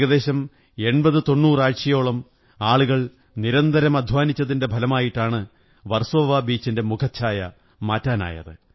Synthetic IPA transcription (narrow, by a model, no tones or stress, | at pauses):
ɣɐðe̞ːɕɐm | e̞ɳbɐðɨt̪o̞nːuːraːʈʂɐjo̞ːɭɐm | aːɭuɣɐɭ | niɾɐnd̪ɐɾɐmɐd̪ʱʋaːnit͡ɕːɐðinde̞bʱɐlɐmaːjiʈːaːɳɨ | ʋɐrsoʋabiːt͡ɕːinde̞mukʰɐt͡ɕʰaːjɐ | maːtːaːna̰ːjɐ̰ðɨ̰